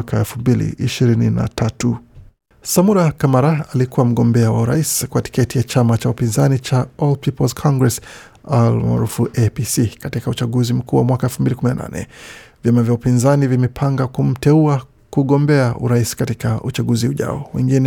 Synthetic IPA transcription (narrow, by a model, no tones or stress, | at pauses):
kaɛlfumbilḭʔiʃiɾinina̰tʰatu | samuɾakamaɾaalikuwam̩ɠɔmbɛawauɾa̰iskwati̥kɛtijat͡ʃamat͡ʃaupinzanit͡ʃaɔld̚pʰipɔlskʰɔŋɡɹɛs | alma̰ːɾufuʔepisikatikaut͡ʃaɠuzim̩kuːwamwakaɛlfumbilikuminana̰nɛ̰vjamavjaupinzanivimɛpʰaŋɡakum̩tɛua | kuɠɔmbɛaʔṵɾaisi̥katikaut͡ʃaɠuziuʄa̰ɔ̰wɛ̰ŋɡinɛ